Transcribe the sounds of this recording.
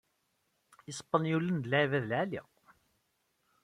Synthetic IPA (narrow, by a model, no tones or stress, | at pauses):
isˤpːənjulənd̪lʕivæðlʕalḭ